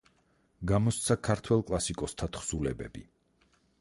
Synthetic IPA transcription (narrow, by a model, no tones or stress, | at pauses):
ɡamɔst̪sʰakʰaɾt̪ʰwɛlˠkʼlˠasikʼɔst̪ʰat̪χsulɛbɛ̰bi